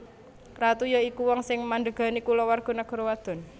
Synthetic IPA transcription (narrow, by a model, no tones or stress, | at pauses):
rat̪ujɔikuwɔŋsɪŋmanɖəɡ̥a̤nikulɔwarɡ̥ɔ̤naɡ̥ɔ̤ɾowad̪̥ɔ̤n